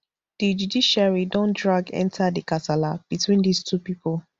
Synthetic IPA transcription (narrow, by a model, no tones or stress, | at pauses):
d̥id͡ʒudiʃaɹidɔ̃ndɹaɡɛ̰̃ntʰadikatalab̥itwĩndistʰupipɔl